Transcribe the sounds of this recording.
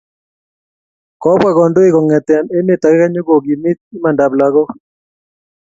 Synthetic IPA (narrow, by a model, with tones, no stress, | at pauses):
kɔ˨˦bwa˦˨ɣɔ˨ndo˦e˦kɔ˨ŋɛ˨t̪ɛ˨a˨ne˦me˨ta˨kɛ˦ka˦ɲo˦ɡo˨ɡi˨mi˦t̪̚i˦ma˨nda˨bla˨ɣɔ˦